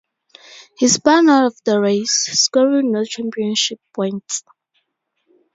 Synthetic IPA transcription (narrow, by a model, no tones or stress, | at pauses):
hisbãnaʊɾɔvdəɹeɪsskɔɹinɔt͡ʃɛ̃mpiə̃nʃipʰːɔ̃j̃nt